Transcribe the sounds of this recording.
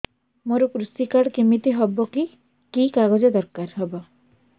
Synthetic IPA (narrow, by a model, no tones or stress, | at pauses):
moɾɔkɾusikaɽkimit̪iɦɔbɔki | kikaɡɔd͡ʒɔd̪ɔɾkaɾɦebɔ